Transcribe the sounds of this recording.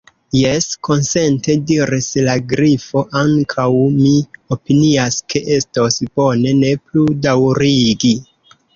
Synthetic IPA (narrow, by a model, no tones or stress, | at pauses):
jesko̞nse̞nte̞diɾislaɡɾifo̞ʔaŋkʰawmio̞piniaskʰe̞ʔe̞stosb̥o̞ne̞ne̞pludawɾiɡi